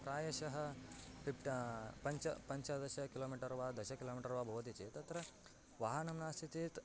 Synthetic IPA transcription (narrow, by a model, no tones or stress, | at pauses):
pɾaːjɐʃɐɦɐpʰipʈpɐɲt͡ʃɐpɐɲt͡ʃɐd̪ɐʃɐkiloːmiːʈɐɾɐʋaːd̪ɐʃɐkiloːmiʈɐɾʋaːbʱɐːd̪it͡ʃit̪ɐt̪ɾɐ | ʋaːɦɐnɐmnaːst̪ʰit̪it̪